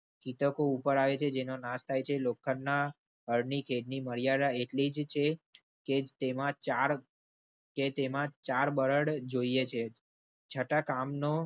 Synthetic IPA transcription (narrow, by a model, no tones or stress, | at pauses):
kit̪əkoupəɾaʋet͡ʃʰed͡ʒenonast̪ʰajt͡ʃʰelokʰːəɾna | ɦəɾnikʰeɖniməɾjaɾaeʈlid͡ʒt͡ʃʰe | ked͡ʒt̪emãaɾ | ket̪emãt͡ʃaɾbəɾəɽd͡ʒoiet͡ʃʰe | t͡ʃʰəʈakamno